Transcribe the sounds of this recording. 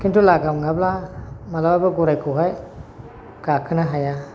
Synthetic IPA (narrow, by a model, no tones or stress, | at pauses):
kʰintulaɡamŋablamalawabaɡɔɾajkʰɯwɦaj | ɡ̥akʰɯnaɦaja